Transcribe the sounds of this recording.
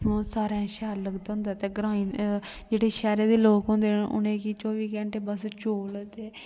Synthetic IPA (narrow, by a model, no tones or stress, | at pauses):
õːsaːɾãːʃɛːɾləɡd̪ɦʊ̃nd̪aːt̪eːɡɾãːiː | d͡ʒeːɽeːʃɛːɾeːd̪eːloːkɦʊ̃nd̪eːʊ̰nẽːkit͡ʃɔːʋiːkɛ̃ːɳʈeːbəst͡ʃoːlt̪eː